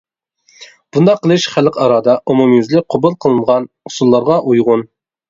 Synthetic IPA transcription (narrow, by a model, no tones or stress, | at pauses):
b̥und̪ɑqʰːəlˠɨʃχælqʰɑɾɑd̪ɑʔumumjɪzlɪqʰobulˠqʰəlˠɨnʁɑn | ʊsulˠːɑɾʁɑʔujʁʊn